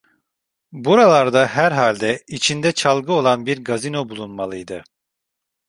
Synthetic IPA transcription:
buɾalˠaɾd̪aɦæɾɦalʲd̪ɛit͡ʃʰind̪ɛt͡ʃʰalˠɡɯo̞lˠanbiɾɡazino̞bulˠunmalˠɯjd̪ɯ

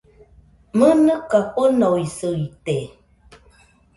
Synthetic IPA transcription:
mənəkaponoisəite

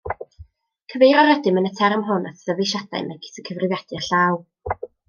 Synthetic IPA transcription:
kʰəvejɾɔɾɛdɪmənətʰɛrmɦʊnatʰð̥əvejʃad̥a̰jmaɡɪ̥sʰəkʰəvrɨvjɛd̥ɨɬaːw

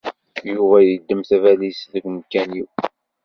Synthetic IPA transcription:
juvæjəd̪ːəmθævælisðəkməkːæniw

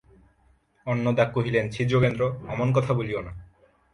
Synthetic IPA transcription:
ɔnːod̪akːoɦilent͡ɕʰid͡ʑokend̪ɾoɛmonk̬ɔt̪ʰaboliona

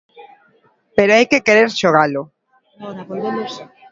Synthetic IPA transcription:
peɾoajkekeɾeɾʃoɣ̞alo

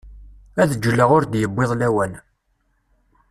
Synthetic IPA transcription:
æðəd͡ʒːəlːəʁʊɾd̪jəbːeðˤlæwən

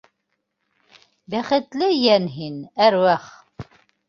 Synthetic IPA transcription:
bæχət̪læjænɦinæɾwæχ

